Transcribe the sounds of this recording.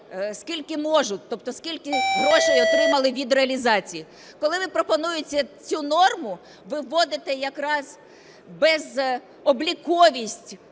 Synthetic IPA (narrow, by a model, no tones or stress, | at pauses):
skʲilʲkɪmɔʒʊtʲt̪ɔp̚t̪ɔskʲilʲkɪɦɾɔʃɛjɔt̪ɾɪmɐlˠɪʋʲid̪ɾeɐlʲizɑt͡sʲiji | kɔlˠɪʋɪpɾɔpɔnujʊt͡sʲɐt͡sʲunɔrmʊ | ʋɪʋːɔd̪ɪt̪ɛjɐkɾɑz | bɛz | ɔblʲikɔʋʲisʲtʲ